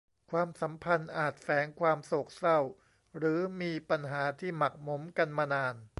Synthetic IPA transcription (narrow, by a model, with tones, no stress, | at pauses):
kʰwaː˧msa˩˦mpʰa˧nʔaː˨˩t̪̚fɛː˩˦ŋkʰwaː˧mso˨˩k̚sa˥˩w | ɾɯː˩˦miː˧pa˧nɦaː˩˦t̪ʰiː˥˩ma˨˩k̚mo˩˦mka˧nmaː˧naː˧n